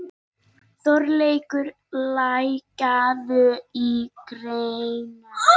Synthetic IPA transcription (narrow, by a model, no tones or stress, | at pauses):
θɔɾleːjkʏɾ | lajcaðʏikɾejjnʏ